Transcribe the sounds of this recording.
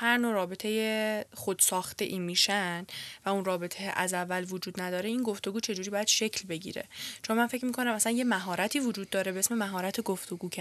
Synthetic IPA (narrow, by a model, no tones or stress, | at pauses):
hæɾnoɾɒːbe̞t̪ʰe̞jexod̪̥sɒːxt̪e̞ʔiːmiːʃænvæunrɒːbe̞t̪ʰejʔæzævːælvod͡ʒuːd̪næd̪ɒːɾeinɡo̞ft̪o̞ɡuːt͡ʃʰe̞d͡ʒuːɾibɒːjæd̪̥ʃe̞cʰlbe̞ɟḭːɾḛt͡ʃʰommænfe̞cmiːkʰo̞næmæsænje̞mæɦɒːɾæt̪ʰiːvod͡ʒuːd̪̚ːɒːɾebeesme̞mæɦɒːɾæt̪ʰeɡoft̪ʰoɡuːcʰæ